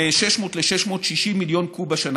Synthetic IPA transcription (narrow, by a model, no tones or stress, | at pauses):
eʃe̞ʃmo̞t̪leʃeʃmo̞ːt̪ʃiʃimːiljo̞nkubaʃan